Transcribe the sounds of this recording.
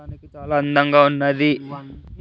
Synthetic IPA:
aːnikit͡ʃaːlaːɐnd̪ɐŋɡaːunːɐd̪i

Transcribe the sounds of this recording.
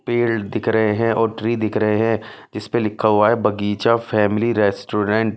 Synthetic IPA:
peːld̪ɪkʰɾɐɦeɦɛ̃ʔɔːɾʈɾiːd̪ɪkʰɾɐɦeɦɛ̃ | d͡ʒɪspelɪkʰːaɦuaɦɛbʱɐɡiːt͡ʃafɛːmɪliɾɛːsʈoːɾɛ̃ːɳʈ

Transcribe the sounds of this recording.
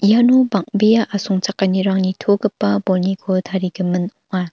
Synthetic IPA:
ijanubaŋ̚bejaʔasɔŋt͡ʃakːaniɾaŋnitʰoɡɯpːɐbolnikʰotʰaɾiɡimɯnɔʔa

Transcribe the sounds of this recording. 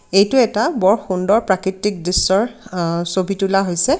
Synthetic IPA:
ejtʊɛtabɔɹxundɔɹpɹakɹitːik̚disːɔɹsobʱitulaɦojsɛ

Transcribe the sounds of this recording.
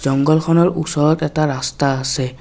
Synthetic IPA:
zɔŋɡɔlkʰɔnɔɹʔusɔɹɔtɛtaɹastaːsɛ

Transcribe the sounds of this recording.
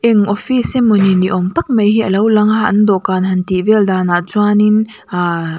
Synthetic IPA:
ʔɛŋʔɔfisɛmuniniʔɔmt̪ɐk̚mɐjɦiʔɐlɐwlɐŋaʔnd̪ɔʔkaːnɦɐnt̪ivɛld̪aːnaʔt͡swanin | a

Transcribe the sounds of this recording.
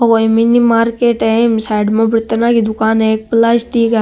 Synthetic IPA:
ɔkominimaːɾkeːʈɛ̃msaɪɖmõpɾɪt̪nakid̪ʊkaːnɦeeːk̚plaːsʈ̪ika

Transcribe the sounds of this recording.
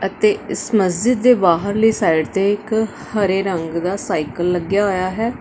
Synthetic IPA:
ət̪eːɪsməsd͡ʒɪd̪ːeːbaːɦəɾləiːsaːɪɖt̪eːɪk | həɾeːɾəŋɡd̪aːsaːikəlːəɡjaːɦoːjaːɦɛː

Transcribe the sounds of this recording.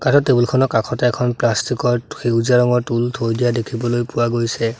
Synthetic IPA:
katɔtːebulkʰɔnɔkakʰɔtɛɛkʰɔnplastikɔɹxeuzaɹɔŋɔɹtultʰojdijadekʰibɔlojpʊwaɡojsɛ

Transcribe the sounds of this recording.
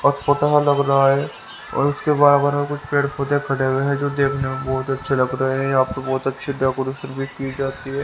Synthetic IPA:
ɔːɾpoːʈasalɐɡɾɐɦaɦɛ | ɔ̰ːɾʊskebaːɾɐɡəɾmekʊt͡ʃʰpeːɽɖʰoːt̪ekʰɐʈeweɦɛd͡ʒoːd̪eːkʰnemẽbɔːt̪ɐtːʃʰelɐɡɾɐɦeɦɛ̃jɐɦaːpəɾbɔːt̪ɐtːʃʰeɖaːkoɾuːʃəɾbʱiːkid͡ʒaːt̪iɦɛː

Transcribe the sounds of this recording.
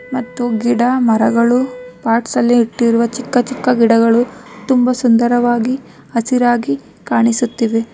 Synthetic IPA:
mɐt̪ːuɡiɽɐmɐɾɐɡɐɭupaːɾʈsɐlːiːʈːiɾuʋɐt͡ʃikːɐt͡ʃikːɐɡiɽɐɡɐɭut̪umbɐsund̪ɐɾɐʋaːɡi | ɐsiɾaːɡi | kaːɳisut̪ːiʋe

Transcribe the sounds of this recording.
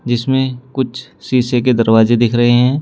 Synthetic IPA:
d͡ʒɪsmẽkʊt͡ʃʰsiːsek̬ed̪ɐɾwaːzed̪ɪkʰɾɐɦeɦɛ̃ː

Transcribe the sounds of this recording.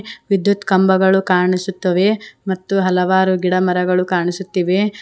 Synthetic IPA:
ʋid̪jut̪kɐmbɐɡɐɭukaːɾɳisut̪ːɐʋe̞mɐt̪ːuɦɐlɐʋaːɾuɡiɽɐmɐɾɐɡɐɭukaːɳisut̪ːiʋe

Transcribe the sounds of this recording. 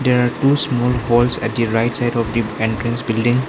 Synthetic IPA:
d̪eɾaɾʈusmɔlɦolsɛ̰ʈ̚d̪iɾaɪʈsajɖɔfd̪iẽnʈɾɛ̃nsbilɖĩŋ

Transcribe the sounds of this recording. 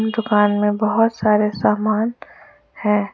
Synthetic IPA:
md̪ʊkaːnmẽbəɦʊt̪saːɾesaːmaːn | hɛ̃ː

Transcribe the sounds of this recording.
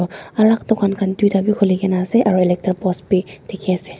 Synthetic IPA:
ɔalaktɔkʰankʰandujtabikʰolikɛnaːsɛʔaɹuɛlɛk̚taɹpɔspitʰekʰiasɛ

